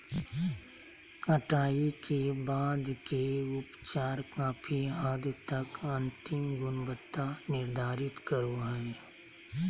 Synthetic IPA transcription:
kəʈaːikebaːd̪keʊpt͡ʃaːɾkaːpʰiaːd̪t̪ɐkɐ̃nt̪ɪmɡʊnbət̪ːanɪɾd̪ʱaːɾɪt̪kəɾoɦɛ

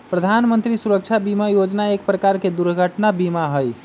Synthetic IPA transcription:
pɾəd̪ʱanmənt̪ɾisuɾək̚t͡ʃʰabimajod͡ʒnaek̚pɾəkaɾked̪uɾɡʱəʈnabimaɦəj

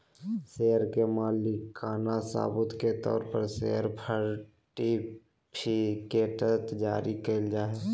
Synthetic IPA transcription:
seɦɾkemaːlikʰːaːnasa̰ːbʊt̪ket̪ɔ̰ːɾpəɾsḛɦəɾpʰəɾ | ʈi | pʰikeːʈət̪d͡ʒaːɾikeld͡ʒaːɦɛː

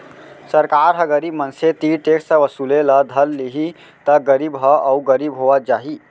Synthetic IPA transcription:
səɾkaːɾɦəɡəɾimənset̪iʈeksəʋəsuleləd̪ʱəlːiɦi | t̪əɡəɾibɦəəuɡəɾibɦoʋad͡ʒaːɦi

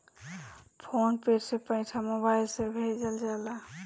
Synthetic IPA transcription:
pʰonpeɾsepə̃ɪ̃ʈʰamobajlsebʱed͡ʒəld͡ʒala

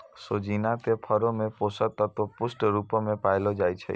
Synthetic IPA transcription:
sod͡ʒinat̪epʰəɾomẽposət̪at̪opʊsʈɾupomẽpajlod͡ʒajt͡ʃʰḛ

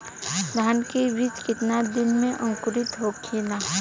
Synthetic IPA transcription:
d̪ʱaːnkeɾit͡ʃkɪt̪nad̪ɪnmẽʔə̃ŋkʊɾɪt̪ɦokʰila

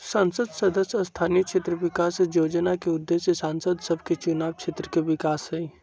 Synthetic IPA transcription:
sɐ̃nsəd̪sɐd̪əsɔst̪ʰaːniəkʃʰeːt̪ɾəʋɪkaːsjoːd͡ʒnakeʊd̪ːeːʃjəsãːnsəd̪səbʱket͡ʃʊnaːʋkʃʰeːt̪ɾəkeʋɪkaːsɦɛi

